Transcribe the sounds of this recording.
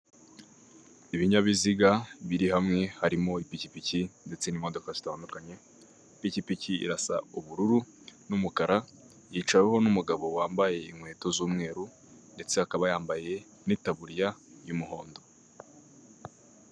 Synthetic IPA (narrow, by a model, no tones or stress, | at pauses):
iβiɲaβiziɡaβiɾiɦamŋe̞haɾimo̞ipicipicinde̞t͡se̞nimo̞do̞kaz̥itaːndukaɲe̞ | picipiciḭɾasa̰uβuɾuɾu | numukaɾa | jiːt͡ʃaweɦo̞numuɡaβo̞waːmbaje̞imhwe̞ːto̞zuːmŋe̞ːɾu | nde̞t͡seakaβajaːmbaje̞ | nitaβuɾijajumuɦo̞ːndo̞